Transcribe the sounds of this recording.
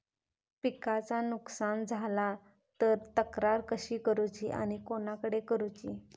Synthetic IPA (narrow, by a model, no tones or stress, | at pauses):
pikat͡sanuksand͡zʱala | t̪əɾt̪əkɾaɾkəɕiːkəɾut͡ɕiʔa̰ɽ̃ikonakəɽekəɾut͡ɕi